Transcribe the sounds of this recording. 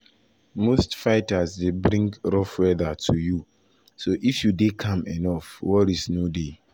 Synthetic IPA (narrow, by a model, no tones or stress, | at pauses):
mostfaɪtasdebɾĩŋɡɹɔfwɛðatʰuju | soʔifjudekʰãmɛnɔfwɔɾisnode